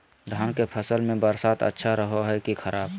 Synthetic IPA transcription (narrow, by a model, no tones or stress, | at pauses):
d̪ʱaːnkepʰəsəlmẽbəɾsaːt̪ə̰tːʃʰaɾəɦoɦɛkixʰəɾaːb